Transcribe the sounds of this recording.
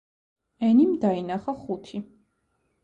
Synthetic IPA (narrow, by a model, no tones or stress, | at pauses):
ɛnimd̪ainaχaχut̪ʰi